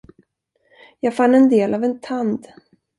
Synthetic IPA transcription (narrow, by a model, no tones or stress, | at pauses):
jɑːɡfanːɛnd̪eːlʔavɛnt̪ʰand̪